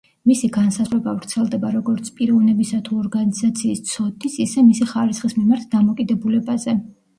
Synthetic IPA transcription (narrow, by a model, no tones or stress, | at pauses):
misiɡansazʁvɾɛbavɾt̪sʰɛlˠd̪ɛbaɾɔɡɔɾt̪sʰpʼiɾɔvnɛbisat̪ʰuɔɾɡanizat̪sʰiːst̪sʰɔd̪isisɛmisiχaɾisχismimaɾt̪ʰd̪amɔkʼid̪ɛbulɛbazɛ